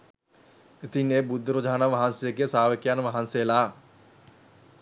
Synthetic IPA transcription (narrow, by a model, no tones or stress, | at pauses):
et̪ineːbud̪ʱːəɾod͡ʒʱaːnaʋaɦansejəɡejəsaːʋekjanʋaɦansejəlaː